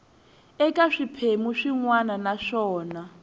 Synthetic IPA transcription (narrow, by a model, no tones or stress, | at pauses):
ɛkʼaʂipʰemuʂiŋwananaʂɔːna